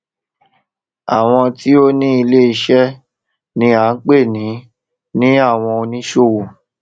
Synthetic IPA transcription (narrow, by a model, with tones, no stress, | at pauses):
a˨w̃ɔ̃˧ti˦o˦nĩ˦i˧le˦i˧ʃɛ˦ | nĩ˦a˨˦n̩˦k͡pe˦˨nĩ˨˦ | nĩ˦a˦˨w̃ɔ̃˧o˧nĩ˦ʃo˦˨wo˨